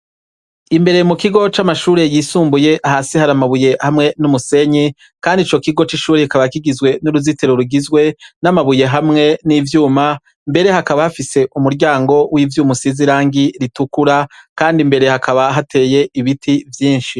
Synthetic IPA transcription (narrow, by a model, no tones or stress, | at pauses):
imbe̞ɾe̞mukiɡo̞t͡ʃamaʃuːɾe̞jiːsuːmbuje̞ʔaɦasihaɾamaβuje̞hamŋe̞numuse̞ɲi | kaːndit͡ʃo̞kiɡo̞t͡ʃiʃuːɾeikaβakiɡizɡwe̞nuɾuzite̞ɾoɾuɡizɡwe̞namaβuje̞ɦamŋe̞nivjuːma | mbe̞ɾe̞hakaβahafise̞ʔumuɾɟaːŋɡo̞wʔivjuːmusiziɾaːŋɡiɾitukuɾakaːndimbe̞ɾe̞hakʰaβaɦatʰe̞ːje̞ʔiβitʰivjiːnʃi